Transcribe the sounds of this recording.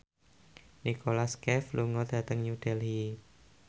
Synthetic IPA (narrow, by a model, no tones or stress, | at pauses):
nikolaskɛfluŋɔd̥a̤t̪əŋjud̥ɛlhi